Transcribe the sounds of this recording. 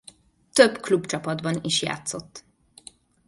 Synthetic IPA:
t̪øbklubt͡ʃɒpɒd̪bɒniʃja̰ːt̪sot̪ː

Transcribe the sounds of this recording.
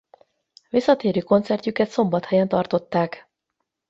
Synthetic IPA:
ʋisːɒt̪eːɾøːko̞nt̪sɛrcykɛt̪so̞mbɒt̪hɛjɛnt̪ɒrt̪o̞t̪ːaːk

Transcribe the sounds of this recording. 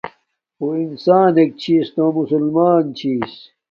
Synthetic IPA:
oinsaːnek̚t͡ɕʰiːst̪õmusulmaːnt͡ɕʰiːs

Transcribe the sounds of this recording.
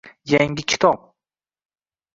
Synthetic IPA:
jaŋɡʲɪkʲʰɪ̥t̪ʰɒp̚

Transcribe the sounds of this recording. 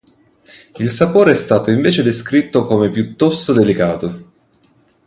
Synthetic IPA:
ilsapoːɾeɛst̪aːt̪oiɱveːt͡ʃed̪eskɾit̪ːokomepjut̪ːɔst̪od̪elikaːt̪o

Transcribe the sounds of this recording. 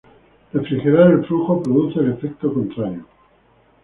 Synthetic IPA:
refɾixeɾaɾelfluxopɾoðuθelefek̚t̪okont̪ɾaɾjo

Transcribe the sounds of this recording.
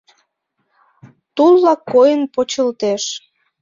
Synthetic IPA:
t̪ulːɑkːojənpot͡ɕəlt̪eʃ

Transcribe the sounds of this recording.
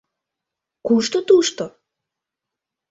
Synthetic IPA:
kuʃt̪ot̪uʃt̪o

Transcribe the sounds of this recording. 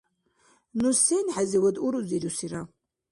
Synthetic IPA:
nusenħaziwɐd̪uɾuziɾusiɾa

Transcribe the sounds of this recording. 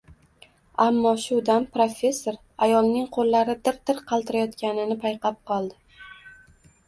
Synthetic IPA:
amːɒʃʊd̪anpɾofʲe̞sːo̞ɾ | ajɒlˠnɪŋqʰolːaɾɪd̪ɪɾd̪ɪɾqʰɑlˠt̪ʰɪɾajɒt̪kʲanɪnɪpʰajqʰɑp̚qʰɒlˠd̪ɪ

